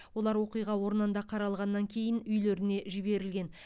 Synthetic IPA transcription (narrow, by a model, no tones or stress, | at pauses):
wo̞lˠɑɾwo̞qijʁɑwo̞ɾnənd̪ɑqʰɑɾɑlˠʁɑnːɑŋkʲʰe̞jɪnʏjle̞ɾɪne̞ʒɪbe̞ɾɪlɡʲe̞n